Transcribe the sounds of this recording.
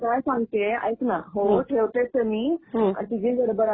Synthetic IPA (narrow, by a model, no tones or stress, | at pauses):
kajsãŋɡt̪ea̰jknaɦoʈʰeʋt̪et̪əmiːa̰t̪id͡ʑẽbəɾobəɾa